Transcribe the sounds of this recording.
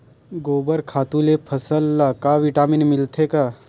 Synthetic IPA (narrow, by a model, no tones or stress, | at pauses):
ɡoːbəɾkʰaːt̪ũlepʰɐsəlːakaʋɪʈaːmɪnmɪlt̪ʰekaː